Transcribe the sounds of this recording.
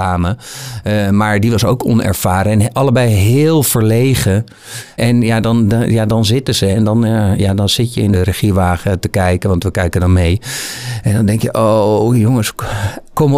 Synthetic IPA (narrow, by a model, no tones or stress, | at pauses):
aːmə | maːɹdiʋɑso̰wkʰɔ̰nɛ̰ɹfaːɾəɛnʔɑləbɛjɦɪːlˠfəɹlejχə | ʔɛnjadɔnjadɑnzɪtəzəɛndɔnjadɔnz̥ɪtjəɪndərəχiʋaːχətəkɛjkəʋɑntʋəkɛjkədɔnmejʔɛndɔndɛŋkjəʔowjoŋəskɔm